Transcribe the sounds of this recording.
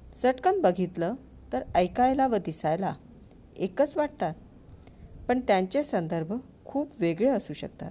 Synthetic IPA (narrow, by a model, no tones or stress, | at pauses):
səʈkən̚bəɡʱit̪lə | t̪əɾəjkajlaʋəd̪isajla | ekət͡sʋaʈ̚t̪at̪̚ | pəɳt̪jãɲt͡ɕesənd̪əɾbʱə | kʰuːpʋeɡɭeəsuːɕə̰kt̪a̰t̪̚